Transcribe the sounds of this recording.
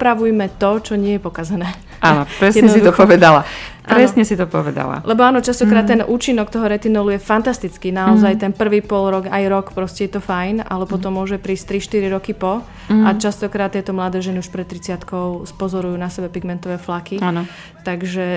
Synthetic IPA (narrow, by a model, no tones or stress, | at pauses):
pɾaʋujmɛt̪ɔt͡ʃɔɲɪɛjɛpɔkazɛnɛː | ʔanɔpɾɛsjɛdɲɛssit̪t̪ɔpɔʋɛd̪ala̰ʔpaɾɛsɲɛsit̪ɔpɔʋɛd̪a̰la̰lʔɛbɔaːnɔt͡ʃast̪ɔkɾaːt̪ːɛnʔuːt͡ʃinɔkt̪ɔɦɔɾɛt̪inɔlujɛfant̪ast̪it͡skinaɔzajt̪ɛnpr̩ʋiːpɔlɾɔɡajɾɔkpɾɔscɛjɛt̪ɔfajna̰lɛpɔt̪ɔmːʊɔʒɛpɾiːst̪ɾiʃt̪iɾiɾɔkipɔ | at͡ʃast̪ɔkɾaːt̪ːjɛt̪ɔmlad̪ɛːʒɛniuʃpɾɛt̪̚t̪ːɾit͡sɪat̪kɔʊspɔzɔɾujuːnasɛbɛpiɡmɛnt̪ɔʋɛːflakian | t̪aɡʒɛ